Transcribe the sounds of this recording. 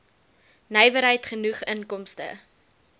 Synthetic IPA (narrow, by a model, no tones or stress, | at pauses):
nəjvəɾɦəjtχənuχənkɔmstə̰